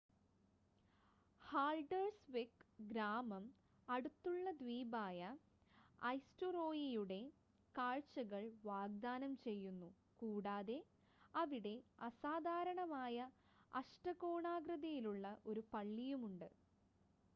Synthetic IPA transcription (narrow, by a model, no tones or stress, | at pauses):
haːɭɖɐrsʋekɡɾaːmɐm | ɐɽut̪ːuɭːɐd̪ʋiːbaːjɐ | ɐjstoro̞ːjijuɽe̞ | kaːɻt͡ɕɐɣɐɭʋaːɡ̚d̪aːnɐmt͡ɕe̞jːunːu | kuːɽaːðe̞ | ɐʋiɽe̞ɐsaːd̪ʱaːɾɐɳɐmaːjɐ | ɐʂʈɐɣo̞ːɳaːɡɾɐðɐjiluɭːɐʔo̞ɾupɐɭːijumuɳɖɨ